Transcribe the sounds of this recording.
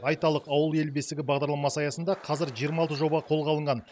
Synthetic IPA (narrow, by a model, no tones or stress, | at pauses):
ɑjt̪ɑlˠəqɑwəlˠe̞lbe̞st̪ɪɡʲɪbɑʁd̪ɑɾlˠɑmɑsəɑjɑsənd̪ɑqʰɑzɪɾʒijəɾmɑlˠt̪əʒo̞bɑʁɑqʰo̞lˠʁɑlˠəɴʁɑn